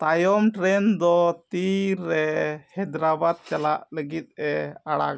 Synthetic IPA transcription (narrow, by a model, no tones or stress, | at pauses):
t̪ajɔmʈɾɛnd̪ɔt̪iɾːɛhɛd̪ɾabad̪̚t͡ʃalaʔləɡit̪̚ɛaɽa̰